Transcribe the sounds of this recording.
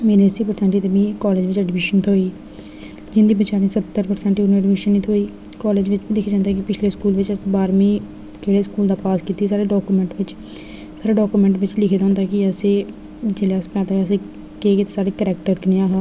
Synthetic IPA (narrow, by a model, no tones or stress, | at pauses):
meːɾeːsiːpəɾsɛ̃ːɳʈiːt̪eːbĩːkɔːleːd͡ʒʋɪt͡ʃɛːɖmɪːʃənt̪ʰoːiː | d͡ʒɪnd̪iːbɪt͡ʃaːɾĩːsət̪ːəɾpəɾsɛ̃ːɳʈiːʊnũɛːɖmiʃənːiːt̪ʰoːiː | kɔːleːd͡ʒʋɪt͡ʃbĩːlɪkʰeːd͡ʒãːnd̪aːkɪpɪt͡ʃʰleːskuːlʋɪt͡ʃəsbaːɾmĩː | keːɽeːskuːld̪aːpaːskiːt̪iːs̬aːɾeːɖɔːkuːmɛ̃ɳʈʋɪt͡ʃ | saːɾeːɖoːkuːmɛ̃ːɳʈʋɪt͡ʃlɪkʰeːd̪ãːnd̪aːkɪəseː | d͡ʒeːleəspɛ̃ːd̪aːəseː | keːɡeːt̪aːsaːɖeːkəɾɛːk̚ʈəɾkəneːaːɦaː